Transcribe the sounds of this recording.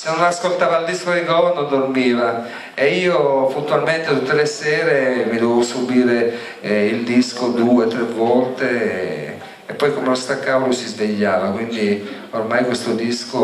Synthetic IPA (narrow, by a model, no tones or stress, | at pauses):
senːonaskolt̪aːvaild̪iskod̪iɡɔnːod̪ormiːva | eiːopunt̪ualment̪et̪ut̪ːelesɛːɾemid̪ovevosubiːɾe | ild̪iskod̪uːet̪ɾevːɔlt̪e | pːɔjkomelost̪akːavolosizveʎːaːvakwind̪i | ormajkwest̪od̪isko